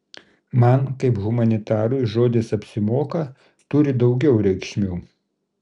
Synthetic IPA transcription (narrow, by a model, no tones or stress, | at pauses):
mɐnkɐɪpɣʊmɐnʲɪt̪ɑːɾʊjʒoːd̪ʲɪsɐpʲsʲɪmoːkɐ | t̪ʊɾʲɪd̪ɒʊɡʲɛʊɾʲɛɪkʃʲmʲuː